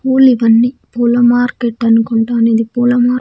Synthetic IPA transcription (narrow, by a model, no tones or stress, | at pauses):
poːliʋɐnːipuːlɐmaːɾkeʈːɐnukɔɳʈaːniðipuːlɐmaːɾ